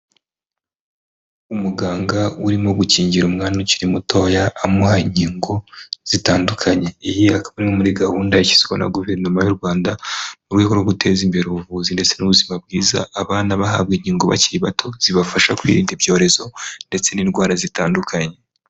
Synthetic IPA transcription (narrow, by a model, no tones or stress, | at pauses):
umuɡaːŋɡauɾimoɡuciːɲɟiɾumŋaːnuciɾimutʰo̞ːjaʔːmuhaiɲiːŋɡo̞z̥itaːndukʰaɲe̞ijiakaβaɾimomuɾiɡahuːndaici̥si̥ko̰na̰ɡuve̞ɾnomajuɾɡwaːndamuɾɡweɡoɾɡoɡute̞ːzimbe̞ɾeuβuvuzinde̞t͡se̞nuβuzimab̚ɡiːza̰aβaːnaβaɦa̰bɡeɲiːŋɡoβa̰ciβatʰo̞z̥iβafaʃakwḭɾiːndibjo̞ːɾe̞zo̞nde̞t͡se̞ninɡwaːɾazitaːndukʰaɲe̞